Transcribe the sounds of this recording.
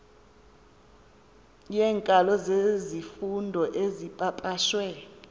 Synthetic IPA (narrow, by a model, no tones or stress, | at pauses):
jɛːŋkʼalɔzezifundʱɔʔezipʼapʼaʃwɛ